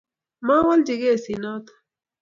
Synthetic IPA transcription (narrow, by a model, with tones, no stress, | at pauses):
ma˦wa˦ld͡ʒi˨ɡe˦˨si˨nɔ˦t̪